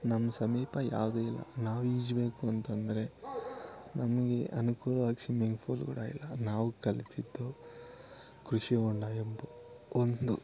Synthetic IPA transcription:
nɐmːɐsɐmiːpɐja̰ːʋd̪uilːɐ̰naːʋuid͡ʒbe̞ːkuɐnt̪ɐnd̪ɐɾe̞ | nʔɐmɐɡe̞ʔɐnukuːɾɐʋaːɡsimiŋɡpʰuːlɡṵɽa̰ːjḭlːɐnaːʋukɐlit̪id̪ːu | kɾuʂiɔɳɖaːjembɐond̪u

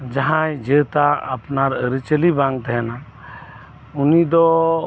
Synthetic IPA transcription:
d͡ʒəɦãjd͡ʒet̪aə̰pnaɾəɾit͡ʃəlibãŋɡ̚t̪ɦɛna | ʊnid̪ɔ

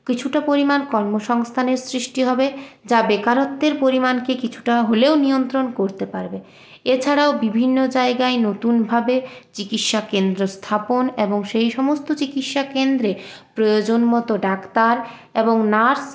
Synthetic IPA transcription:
kit͡ɕʰuʈapoɾimankɔɾmoʃɔŋst̪ʰaneɾsɾiʃʈiɦɔbed͡ʑabekaɾot̪ːeɾpoɾimankekit͡ɕʰu̥ʈaɦoleoniont̪ɾonkoɾt̪epaɾbe | et͡ɕʰaɽaobibʱinːod͡ʑaeɡaenot̪unbʱabet͡ɕikit̪ʃakend̪ɾost̪ʰaponeboŋʃejʃɔmost̪ot͡ɕikit̪ʃakend̪ɾepɾojod͡ʑonmɔt̪oɖakt̪aɾ | eboŋnaɾs

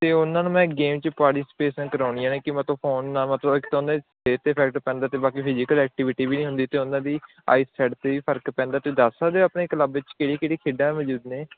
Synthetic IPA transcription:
t̪eːʊnãːnũːmɛ̃ːɡeːmt͡ʃpaːɾʈɪsɪ̥peːsənkəɾaːʊɳijãːneːkɪmət̪õːpʰoːnːaːmət̪ləbɪkt̪õnd̪eː | eːt̪eːpʰɛːk̚ʈpɛ̃ːnd̪aːt̪eːbaːkiːpʰɪd͡ʒɪkəlɛːk̚ʈɪʋɪʈiːbiːnĩːɦʊnd̪iːt̪eːʊnãːd̪iː | a̰ːisɛːɖt̪eːʋiːpʰəɾkpɛ̃ːnd̪aːt̪eːd̪aːsãːd̪eapneːkləbɪt͡ʃkeːɽiːkeːɽiːkʰeːɖãːməd͡ʒuːd̪neː

